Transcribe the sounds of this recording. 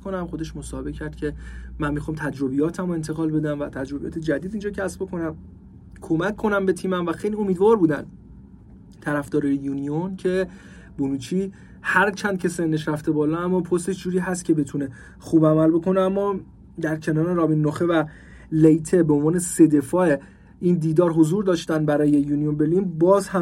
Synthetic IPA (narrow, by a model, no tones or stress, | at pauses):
konæmxo̞d̪e̞ʃmo̞sɒːhebe̞cʰæɾd̪̥cʰe̞mænmːixɒːmt̪ʰæd͡ʒɾo̞bijɒːt̪ʰæmoe̞nt̪ʰe̞ɣɒːlbe̞d̪ænvæt̪ʰæd͡ʒɾo̞bijɒ̰ːt̪ʰe̞d͡ʒæd̪iːd̪iːnd͡ʒɒːcʰæsb̥̚ekʰo̞næm | kʰo̞mækʰːo̞næmbe̞t̪ʰiːmæmvæxejlio̞miːd̪vɒːɾbuːd̪æ̰nd̪ | t̪ʰæɾæfd̪ɒːɾɒːjejuːnioncʰe̞ | bunuːt͡ʃʰiː | hæɾt͡ʃʰænd̪̚cʰe̞se̞nːeʃɾæft̪e̞bɒːlɒæmːɒːpʰost̪e̞ʃd͡ʒuːɾiːɦæst̪̚cʰe̞be̞t̪ʰune̞ | xuːbæmælbo̞kʰo̞neæmːɒː | d̪æɾcʰe̞nɒːɾe̞ɾɒːbinːoxevæ | lejt̪ʰe̞beonvɒːne̞se̞d̪e̞fɒːe | ind̪iːd̪ɒːɾɦozuːɾd̪ɒːʃt̪ænbæɾɒːje̞juːnijonbeliːnbɒːzhæ